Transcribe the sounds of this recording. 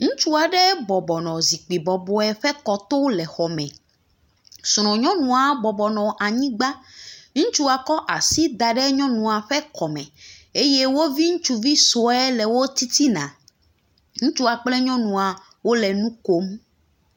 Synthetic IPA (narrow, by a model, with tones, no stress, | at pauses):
ŋũ˦t͡ʃu˦a˨ɖɛ˦bɔ˨bɔ˨nɔ̃˨zi˨k͡pi˨bɔ˨bɔ˨ɛ˦ɸɛ˦kɔ˨t̪o˦lɛ˨xɔ˨mɛ̃˨ | sɾ̃ɔ̃˨ɲɔ̃˦nũ˨a˨bɔ˨bɔ˨nɔ̃˨ʔa˨ɲĩ˦ɡ͡ba˦ŋũ˦t͡ʃu˦a˨kɔ˦ʔa˨si˦d̪a˨ɖɛ˦ɲɔ̃˦nũ˨a˨ɸɛ˦kɔ˨mɛ̰̃˨e˦je˦wo˦vi˦ŋũ˦t͡ʃu˦vi˦so˨ɛ˦lɛ˨wo˦t̪i˦t̪i˦nã̰˨ | ŋũ˦t͡ʃu˦a˨k͡plɛ˦ɲɔ̃˦nũ˨a˨ | wo˦lɛ˨nũ˦ko˦m